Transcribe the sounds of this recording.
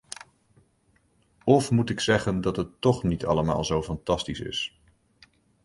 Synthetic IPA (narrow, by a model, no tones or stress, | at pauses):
ɔfmutɪksɛχəndɑtɦətːɔχnitʰɑ̰ləma̰ːlˠzowfɑntɑstisɪ̰s